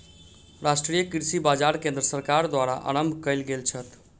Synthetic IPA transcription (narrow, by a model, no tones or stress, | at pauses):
ɾasʈɾijəkiɾsibad͡ʒaɾkẽnd̪ɾəsəɾkaɾd̪waɾaʔa̰ñəmbʱkəjlɡelt͡ʃʰət̪